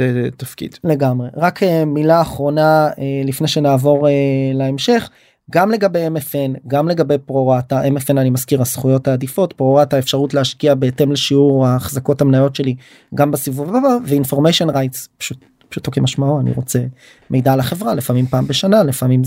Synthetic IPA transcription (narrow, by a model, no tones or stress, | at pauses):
zet̪afkḭd̪̥le̞ɡamʁe̞ʁakʰemilaːχʁo̞naelifne̞jʃe̞naːvo̞ʁelaemʃe̞χ | ɡamle̞ɡabe̞jemefenɡamle̞ɡabe̞jpʁoʁataʔemefenanimaskiʁasχujo̞thaːd̪ifo̞tpʁo̞ʁataefʃaʁutleaʃkiabeete̞mleʃiuʁaχzako̞thamnajo̞tʃe̞li | ɡambasivuvbabaveinfo̞ʁmejʃonʁajtspḁʃut̚ | pḁʃu̥t̪o̞kemaʃmaoanḭʁo̞t͡se̞ | mʔe̞jdalaχe̞vʁalefamimpaːmbeʃanalefamim